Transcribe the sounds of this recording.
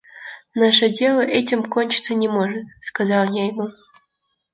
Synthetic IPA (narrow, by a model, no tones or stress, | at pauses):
naʂədʲelˠəʔɛtʲɪmkonʲt͡ɕɪ̥t̪sənʲɪmoʐɨt̪̚skazɑlˠnʲejmo